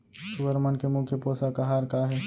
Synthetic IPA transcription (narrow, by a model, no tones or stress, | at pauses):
sʊɡəɾmənkemʊkʰjəpoːsakaɦaːɾkaːɦɛː